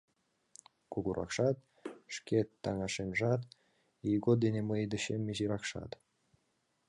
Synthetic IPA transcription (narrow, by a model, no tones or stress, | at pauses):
kuɣuɾʔɑ̰kʃɑt̪̚ | ʃket̪ːɑŋɑʃenʒɑt̪ | ijɡod̪eneməjd̪əɕemːeʑiɾɑkʃɑ̰t̪